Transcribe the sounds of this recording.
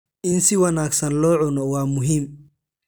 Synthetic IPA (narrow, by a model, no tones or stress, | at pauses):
ʔɪnsɪwɑnaːɡsɐnlɔːʕʊnɔwɑːmʊɦiːm